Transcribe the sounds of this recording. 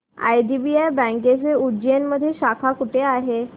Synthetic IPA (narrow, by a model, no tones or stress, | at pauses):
a̰jɖibiajbə̃ŋket͡seud͡ʑenməd̪ʱːjeɕakʰakuʈeaɦe